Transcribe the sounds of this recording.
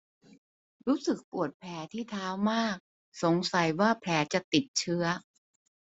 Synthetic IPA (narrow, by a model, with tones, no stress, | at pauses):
ɾuː˦˥sɯ˨˩k̚pu˨˩ət̪̚pʰlɛː˩˦t̪ʰiː˥˩t̪ʰaː˦˥wmaː˥˩k̚ | so˨˩˦ŋsa˨˩˦jwaː˥˩pʰlɛː˩˦t͡ɕa˨˩t̪i˨˩t̪̚t͡ɕʰɯ˦˥ɐ